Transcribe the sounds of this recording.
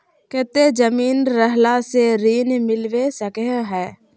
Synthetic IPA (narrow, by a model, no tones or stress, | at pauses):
kɛt̪ed͡ʒəmiːnɾəɦlaseɾiːnmɪlʋesəkeɦɛː